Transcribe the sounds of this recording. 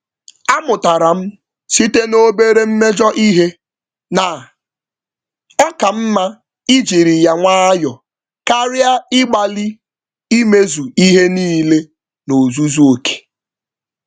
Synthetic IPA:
a˦mʊ˨ta˨ɾa˨m̩˦ | si˦te˦no˦be˦ɾe˦m̩˦me˦d͡ʒɔ˦ʔi˦ɦe˦ | na˨ | a˦ka˨m̩˦ma˦ | i˦d͡ʒi˨ɾi˨ja˦ŋʷa˦a˦jɔ˨ | ka˦ɾja˦ɪ˦ɡ͡ba˨li˦ | i˦me˦zu˨i˦ɦe˦niː˦le˦ | no˨zu˦zu˦o˨ke̥˨

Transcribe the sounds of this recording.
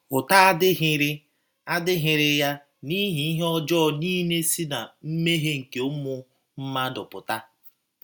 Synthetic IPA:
pʊ˨ta˦a˦dɪ˦ɦɪ˨ɾɪ˦ | a˦dɪ˦ɦɪ˨ɾɪ˦ja˦ | ni˦ɦi˦i˦ɦe˦ɔ˦d͡ʒɔ˦˨ni˦ne˦si˦na˨m̩˦me˦ɦe˦ŋ̩˨ke˨ʊ˦mʊ˦ | m̩˦ma˦dʊ˨pʊ˨ta˦

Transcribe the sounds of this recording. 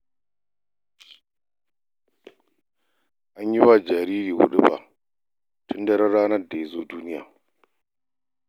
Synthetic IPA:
ʔa˦ɲji˦wa˦d͡ʒa˨ɾi˦ɾiː˨wṵ˨ɗṵ˦ba̰˨ | tʰʊ˦nda˦ɾa˦ɾaː˦nɐ˦da˨i˨zoː˦duː˦ni˦ja̰ː˨

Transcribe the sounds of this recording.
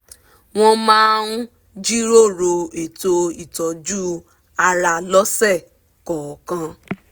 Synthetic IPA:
w̃ɔ̃˧mãː˦nu˦ | d͡ʒi˦ɾo˦˨ɾo˧e˨to˧i˦˨tɔ˨d͡ʒu˦ | a˧ɾa˧lɔ˦sɛ˦˨ | kɔ˨kã˧

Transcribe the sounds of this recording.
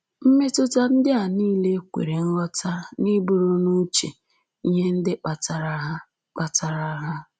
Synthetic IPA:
m̩˦me˦tʊ˦ta˦n̩˦dɪ˦a˨niː˦le˦kʷḛ˨ɾe˨n̩˦lɔ˦ta˦ɾa˨ni˦bu˨ɾo˦nu˦t͡ʃḛ˨ | i˦ɲe˦n̩˦dɪ˦k͡pa˨ta˨ɾa˦ɦa˦ | k͡pa˨ta˨ɾa˦ɦa˦

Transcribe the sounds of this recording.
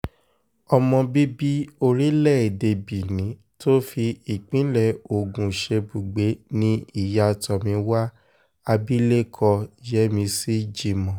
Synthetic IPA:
ɔ˧mɔ̃˧bi˦bi˦o˧ɾi˦lɛ˦˨e˨de˧bi˨nĩ˨˦ | to˦fi˧i˨k͡pĩ˨˦lɛ˦˨o˨ɡũ˨ʃe˧bu˨ɡ͡be˨˦nĩ˦i˦˨ja˧˨tɔ˨mĩ˧wa˦ | a˧bi˦le˦kʰɔ˧d͡ʒɛ˨˦mĩ˧si˦d͡ʒi˧mɔ̃˨

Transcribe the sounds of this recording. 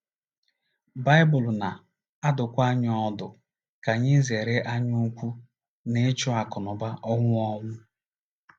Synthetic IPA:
ba˦ɪ˦bʊ˨lna˨ | a˦dʊ˨kʷa˦ɲ˦ɔ˦dʊ˨ | ka˨ɲɪ˦ze˨ɾe˦ʔa˦ɲʊ˦kʷu˦ | ne˦t͡ʃʊ˦a˨kɔ˨nʊ˨ba˦ʔɔ˦ŋʷʊ˦ɔ˦ŋʷʊ˦

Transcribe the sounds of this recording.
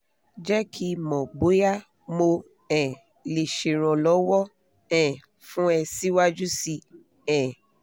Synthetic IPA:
d͡ʒɛ˦kʰi˦mɔ̃˨ɡ͡bo˨˦ja˦ | mo˧ | ɛ̃˨ | le˨ʃe˨ɾ̃ɔ̃˨lɔ˨˦wɔ˦ | ɛ̃˨ | fũ˦ɛ˧si˦wa˦d͡ʒu˦si˧ | ɛ̃˨

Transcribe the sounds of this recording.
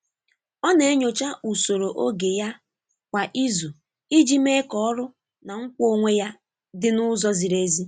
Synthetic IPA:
ɔ˦ne˨e˦ɲo˨t͡ʃa˦ʔu˨so˨ɾo˨ʔo˦ɡe˨ja˦ | kʷa˨ʔi˦zu˨ | i˦d͡ʒi˦me˦kɔ˦ɔ˦ɾʊ˦ | na˨ŋ̩˦kʷo˦ŋʷe˦ja˦ | dɪ˦nʊ˦zɔ˦zi˨ɾe˦zi˦

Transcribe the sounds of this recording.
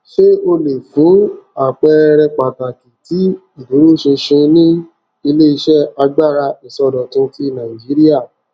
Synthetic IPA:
ʃe˦o˧le˨fũ˨˦a˨k͡pɛ˧ɾɛ˧k͡pa˨ta˨ki˨ti˨˦ | i˨du˨˦ɾu˦˨ʃe˧ʃẽ˧nĩ˦ | i˧le˦i˧ʃɛ˦˨a˧ɡ͡ba˦˨ɾa˧i˨sɔ˧dɔ˨tũ˧ti˦˨nã˨ĩ˨d͡ʒi˨˦ɾi˦a˦˨

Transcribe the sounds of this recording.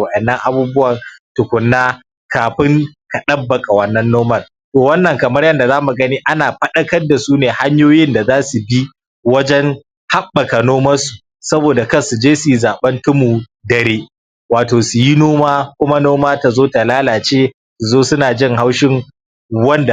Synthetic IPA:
wɐ˨ɗɐ˨nːɐ˦ŋʔa˦buː˦bʊ˦wɐ˨rtʊ˨kʷʊ˨nːaː˦ | kaː˨ɸɪ˦ŋka˨ɗɐ˦bːɐ˨kʼa˨wɐ˦˨nːɐ˦nːoː˦mɐ˦˨l | toː˨wɐ˦nːɐ˨ŋkɐ˨mɐ˦rjɐ˦nda˨zaː˦mu˨ɡɐ˦niː˦ʔa˦naː˨ɸɐ˦ɗɐ˦kɐ˦rda˨suː˦neː˨ha˦ɲjoː˦jɪ˦nda˨zaː˦su˨bi˦ | wɐ˦d͡ʒɛ˦ŋ | ha˦ɓːɐ˨ka˨noː˦mɐ˦su˨ | sɐ˦boː˨da˨kɐ˦˨su˨d͡ʒeː˦su˨ji˦zaː˨ɓɐ˦ntʊ˦mu˨dɐ˨ɾeː˦ | waː˨toː˨su˨ji˦noː˦maː˦kʷʊ˦ma˦noː˦maː˦ta˨zoː˦ta˨laː˦laː˨t͡ʃeː˦ | su˨zoː˦sʊ˦naː˨d͡ʒɪ˦ŋɦa˦wʃɪ˦ŋ | wɐ˦nda˨

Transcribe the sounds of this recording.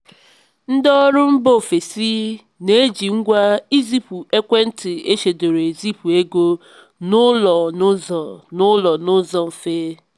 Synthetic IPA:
n̩˦dɔ˦ɔ˦ɾʊ˦m̩˦bo˦˨fe˨si˦ | ne˦d͡ʒi˨ŋ̩˦ɡʷa˦i˦zi˦pu˨e˦kʷe˦n̩˦tɪ˨e˦ʃe˨do˨ɾe˨e˨zi˦pu˨e˦ɡo˦ | nʊ˦lɔ˨n˦zɔ˨nʊ˦lɔ˨nʊ˦zɔ˨m̩˨fe˦

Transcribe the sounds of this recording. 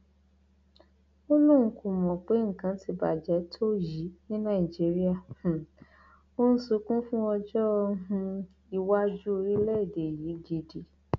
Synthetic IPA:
o˦lũ˦˨kũ˨mɔ̃˨k͡pe˨˦ŋ̩˨kã˨˦ti˧ba̰˨d͡ʒɛ˨˦tʰo˦ji˨˦nĩ˦nã˦˨i˨d͡ʒi˨˦ɾi˦a˦˨h̩˨ | o˦n̩˦su˨˧˦kũ˦fũ˦ɔ˧d͡ʒɔ˦ɦũ˧ | i˧wa˦d͡ʒu˦o˧ɾi˦lɛ˦i˨de˨ji˨˦d͡ʒi˧di˨˦

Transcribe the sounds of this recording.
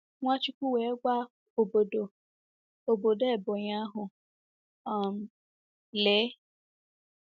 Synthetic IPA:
w̃ã˦t͡ʃi˧˦kʷu˦wɛ˨˦ɡ͡ba˦ | o˨bo˨do˨ | o˨bo˨dɛ˦˨bɔ˨j̃ã˨˦ɦʊ̃˨ | a˨m˨ | lɛ˨˦

